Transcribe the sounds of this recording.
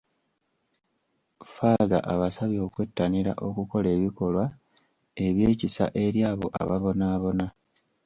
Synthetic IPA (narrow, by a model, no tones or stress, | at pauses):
faːza̰ʔaβasaβjo̞ːkwe̞tːaniɾa̰ʔo̞kuko̞le̞ːβiko̞lwa | e̞βje̞ːcisa̰ʔe̞ɾjaːβo̞ʔa̰βaβo̞naːβo̞na